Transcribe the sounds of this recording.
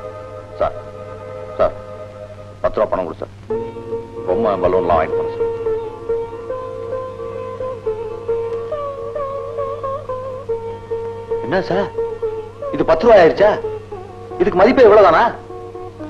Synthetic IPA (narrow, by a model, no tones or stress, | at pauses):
sa̰ːɾ | sa̰ːɾ | pɐt̪ːɯɾʋaːpɐɳːɐkːʊɽɯsa̰ːɾ | ɔmːɐbɐlʋɐnlã̰ːʋa̰ːjnːɯpɐɳːsaːɾ | ɛnːasaːɾ | ɪðɯpɐt̪ːɯɾɯʋaːaːɪɾɯt͡ʃːaː | ɪðɯkːɯmɐðɪpːɐɛʋːɭoːt̪aːnaː